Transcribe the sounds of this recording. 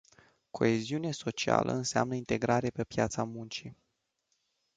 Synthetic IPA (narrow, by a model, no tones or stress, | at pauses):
kʰo̞̰eziuneso̞t͡ʃia̰lʔə̰ɨnsea̰mnəint̪e̞ɡɾaɾepe̞pja̰t̪samunt͡ʃi